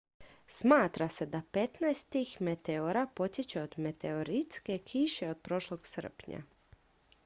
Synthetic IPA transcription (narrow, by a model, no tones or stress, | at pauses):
smaːt̪ɾase̞d̪ape̞t̪naestt̪ixme̞t̪eoɾapo̞t̪jet͡ɕeod̪me̞t̪eoɾit̪ske̞kʰiʃe̞o̞d̪̥̚pɾo̞ʃlˠoɡ̥sr̩pɲa̰